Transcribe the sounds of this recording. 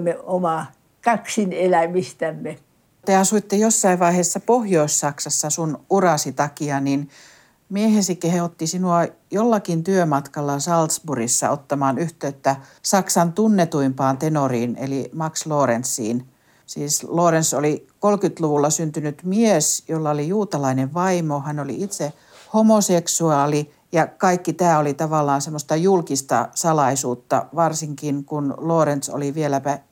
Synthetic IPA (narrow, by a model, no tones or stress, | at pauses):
mːeomɑˑ | kɑksinelæmist̪æmːe | t̪eɑsuit̪ːejosːɑiʋʋɑiheːsːɑpohjoissɑksɑsːɑsunurɑsit̪ɑkiɑnin | miehesikehot̪ːisinuɑjolːɑkint̪yømɑt̪kɑlːɑsɑlt̪sburisːɑ̰ot̪ːɑmɑːnyht̪øːt̪ːæsɑksɑnt̪unːet̪uimpɑːnt̪enoriːnḛlimɑksloːrensḭːn | siːsloːɾensolikolkyt̪luʋulːɑsynt̪ynyt̪miesjolːɑolijuːt̪ɑlɑineʋʋɑimohænolḭit̪se | homoseksuɑːli | jɑkɑikːit̪æːolit̪ɑʋɑlːˑɑːnsemːost̪ɑjulkist̪ɑ̰sɑlɑisuːt̪ːɑ̰ʋɑrsiŋkinkunloːrent̪so̰liʋielæpæ